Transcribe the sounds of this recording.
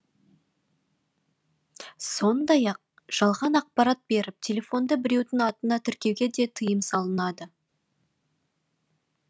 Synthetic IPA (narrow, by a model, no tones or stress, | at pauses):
so̞nd̪ɑjɑq̚ | ʒ̥ɑlˠʁɑnɑq̚pɑɾɑt̪̚be̞ɾɪp̚t̪ʲʰe̞lʲe̞fo̞nd̪əbɪɾe̞wd̪ɪŋɑt̪ənɑt̪ʰʏɾkʲe̞wɡʲe̞d̪e̞t̪ʰəjəmsɑlˠənɑd̪ə